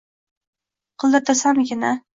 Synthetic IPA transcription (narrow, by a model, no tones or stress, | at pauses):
qʰɨlˠd̪at̪ʰasamɡʲɪna